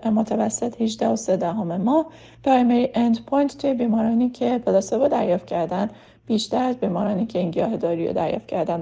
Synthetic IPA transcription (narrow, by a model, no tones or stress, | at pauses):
mot̪ʰævæsːet̪hid͡ʒd̪æhosed̪æɦomemɒːh | pʰɾɑjmeɾiʔend̪pʰojnt̪ʰt̪ʰːujebiːmɒːɾɒːniːcʰe̞pʰelosebod̪æɾjɒːft̪̚cʰæɾd̪ænd̪ | b̥iːʃt̪æɾæzbiːmɒːɾɒːniːcʰe̞inɟiɒːhed̪ɒːɾḭjo̰d̪æɾjɒ̰ːft̪cʰæɾd̪æn